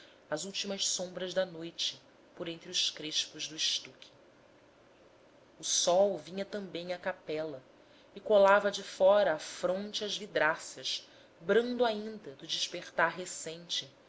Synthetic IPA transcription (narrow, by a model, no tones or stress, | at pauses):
ɐzuwt͡ʃimɐʃsõmbɾɐzd̪ɐnojt͡ʃɪ̥ | poɾẽnt̪ɾɪʊʃkɾeʃpʊʒd̪ʊiʃt̪ukʲʰɪ̥ | ʊsɔwvĩɲɐt̪ɐ̃mbẽj̃ɐkapɛlɐ | ɪkolavɐd͡ʒɪfɔɾɐːfɾõnt͡ʃɪɐzvid̪ɾasɐʃ | bɾɐ̃nd̪ʊaĩnd̪ɐd̪ʊd͡ʒɪʃpeχt̪aɦesẽj̃t͡ʃɪ